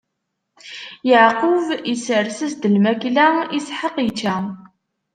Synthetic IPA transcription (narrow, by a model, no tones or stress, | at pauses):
jəʕqʊvisəɾsəsd̪əlmæklæisħəqit͡ʃːæ